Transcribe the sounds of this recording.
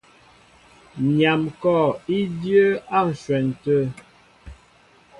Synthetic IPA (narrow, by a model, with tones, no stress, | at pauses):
ɲa˨mkɔ˦˨i˦djə˦a˦˨n̩˨swɛ˨n̩˨tə˦